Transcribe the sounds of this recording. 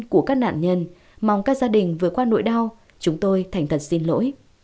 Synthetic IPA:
ku˧˩əkaː˦˥k̚na̰ː˧˨nɲə˧˩n | ma˨˩wŋ͡mkaː˦˥k̚zaː˧ɗï˨˩ŋ̟vɨ˨˩ət̚kwaː˧no̰˧˨jɗa˧w | t͡ɕʊ˨˦ŋ͡mt̪o˧jt̪ʰa˨˩jŋ̟t̪ʰə˨˩t̚si˧nlo̰˧˥j

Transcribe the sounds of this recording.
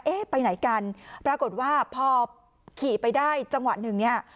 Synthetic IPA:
ʔeː˦˥˩pa˧jna˩˦jka˧npɾaː˧ko˨˩t̪̚waː˥˩pʰɔː˧ | kʰiː˨˩pa˧jdaː˥˩jt͡ɕa˧ŋwa˨˩nɯ˨˩ŋni˦˥˩ɐ

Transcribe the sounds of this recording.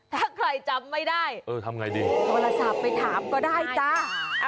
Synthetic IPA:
t̪ʰaː˧˩kʰɾa˧jt͡ɕa˧mːa˥˩jdaː˥˩jʔɤː˧˩t̪ʰa˧mŋa˧jdiː˧t̪oː˧la˧sa˨˩p̚ːa˧jt̪ʰaː˩˦mkɔː˥˩daː˥˩jt͡ɕa˦˥

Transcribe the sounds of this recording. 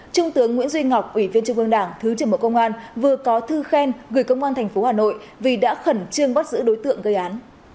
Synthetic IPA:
t͡ɕʊ˧ŋ͡mt̪ɨ˨˦əŋːwi˧˥ənzwi˧ŋŋa˨˩wk͡p̚ʔwi˧˩vi˧ənt͡ɕɨ˧ŋ͡mʔɨ˧əŋɗaː˧˩ŋt̪ʰɨ˨˦t͡ɕɨ˧˩ɓo̰˧˨kə˧wŋ͡mʔaː˧nvɨ˨˩əkɔ˨˦t̪ʰɨ˧xɛ˧nɣɨ˨˩jkə˧wŋ͡mʔaː˧nt̪ʰɛ˨˩jŋ̟fo˨˦haː˨˩no̰˧˨j | vi˨˩ɗa̰ː˧˥xə˧˩nt͡ɕɨ˧əŋɓa˦˥t̚zɨ̰˧˥ɗo˨˦jt̪ɨ̰˧˨əŋɣə˧jʔaː˨˦n

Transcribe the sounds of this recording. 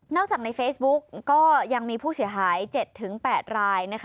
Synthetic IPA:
nɔː˥˩k̚t͡ɕaː˨˩k̚na˧jfeː˦˥sbu˦˥k̚ːɔː˥˩ja˧ŋmiː˧pʰuː˥˩si˨˩˦ɐɦaː˩˦jt͡ɕe˨˩t̪ʰːɯ˩˦ŋpɛː˨˩t̪̚ɾaː˧jna˦˥kʰ

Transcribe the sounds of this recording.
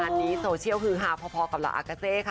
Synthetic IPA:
aː˧nːiː˦˥soː˧t͡ɕʰi˥˩əwkʰɯː˧ɦaː˧˩pʰɔː˧pʰɔ˧ka˨˩p̚la̰˧ʔa̰˧˩kaː˧seː˧˩kʰa˧˩

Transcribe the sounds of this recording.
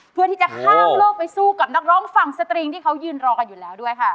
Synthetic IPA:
pʰɯ˧˥ət̪ʰiː˥˩a˨˩kʰaː˥˩mlɤː˥˩k̚pa˧jsuː˥˩ka˨˩p̚na˦˥k̚ɾɔː˦˥ŋfa˨˩ŋsa˧t̪ɾiː˧ŋt̪ʰiː˥˩kʰa˦˥wjɯː˧nɾɔː˧ka˧njuː˨˩lɛː˦˥wdu˥˩əjkʰa˥˩

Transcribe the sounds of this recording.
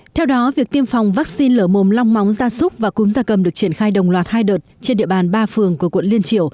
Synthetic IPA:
t̪ʰɛ˧wɗɔ˨˦vi˨˩ək̚t̪i˧əmfa˨˩wŋ͡mvaː˦˥k̚si˧nləː˧˩mo˨˩mla˧wŋ͡mma˨˦wŋ͡mzaː˧sʊ˦˥k͡p̚vaː˨˩kʊ˨˦ŋ͡mzaː˧kə˨˩mɗɨ˨˩ək̚t͡ɕi˧˩ənxaː˧jɗə˨˩wŋ͡mlwaː˨˩t̚haː˧jɗəː˨˩t̚t͡ɕe˧nɗḭ˧˨əɓaː˨˩nɓaː˧fɨ˨˩əŋku˧˩əkwə̰˧˨nli˧ənt͡ɕḭ˧˩əw

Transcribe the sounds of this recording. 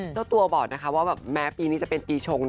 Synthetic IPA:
a˥˩t̪u˧ɐbɔː˨˩k̚na˦˥kʰa˦˥waː˥˩bɛː˨˩p̚mɛː˦˥piː˧niː˦˥t͡ɕa˨˩pe˧npiː˧t͡ɕʰo˧ŋ

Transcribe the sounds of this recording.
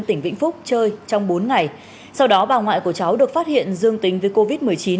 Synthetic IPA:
t̪ï˧˩ŋ̟vḭ˧˥ŋ̟fʊ˦˥k͡p̚t͡ɕəː˧jt͡ɕɔ˧wŋ͡mɓo˨˦nŋa˨˩j | sa˧wɗɔ˨˦ɓaː˨˩ŋwa̰ː˧˨jku˧˩ət͡ɕa˨˦wɗɨ˨˩ək̚faː˦˥t̚hḭ˧˨ənzɨ˧əŋt̪ï˨˦ŋ̟vəː˨˦jko˧vi˦˥t̚mɨ˨˩əjt͡ɕi˨˦n

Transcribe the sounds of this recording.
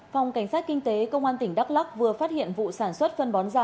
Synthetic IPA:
fa˨˩wŋ͡mka˧˩ŋ̟saː˦˥t̚kï˧ŋt̪e˨˦kə˧wŋ͡mʔaː˧nt̪ï˧˩ŋ̟ɗa˦˥k̚la˦˥k̚vɨ˨˩əfaː˦˥t̚hḭ˧˨ənvṵ˧˨saː˧˩nswə˦˥t̚fə˧nɓɔ˨˦nzaː˧˩

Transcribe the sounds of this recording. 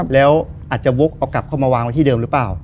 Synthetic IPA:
p̚lɛː˦˥wʔaː˨˩t͡ɕa˨˩wo˦˥k̚ʔa˧wka˨˩p̚kʰa˥˩wmaː˧waː˧ŋwa˦˥j̪t̪ʰiː˥˩dɤː˧mɾɯː˦˥plaː˨˩w

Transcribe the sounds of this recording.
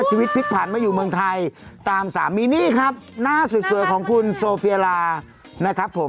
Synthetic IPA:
t͡ɕʰiː˧wi˦t̪̚pʰi˦˥t̪̚pʰaː˨˩nmaː˧juː˨˩mɯ˧əŋt̪ʰa˧jt̪aː˧msa̰ː˩˦mːiː˧niː˥˩kʰa˦˥p̚naː˥˩sɯ˨˩su˨˩˦əjkʰɔː˩˦ŋkʰu˧nsoː˧fi˧laː˧ | na˦˥kʰɾa˦˥pʰːo˩˦m

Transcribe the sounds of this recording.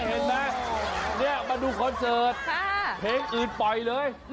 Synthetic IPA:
he˨˦nːa˦˥ni˥˩ɐma˧duː˧kʰɔ˧nsɤː˨˧˩t̪̚ʰːpʰeː˨˦˥ŋʔɯː˨˩n̚pɔ˨˩jlɤː˧j

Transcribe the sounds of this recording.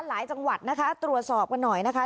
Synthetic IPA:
laː˩˦jt͡ɕa˧ŋwa˨˩t̪̚na˦˥kʰa˦˥t̪ɾu˨˩ət̪̚sɔː˨˩p̚ka˧nːɔ˨˩jna˦˥kʰa˦˥

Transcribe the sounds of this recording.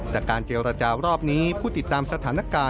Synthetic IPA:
t̪ɛː˨˩kaː˧nt͡ɕeː˧ɾa˧t͡ɕaː˧ɾɔː˥˩p̚niː˦˥pʰuː˥˩t̪i˨˩t̪ːaː˧msa˧t̪ʰaː˩˦na˦˥kaː˧

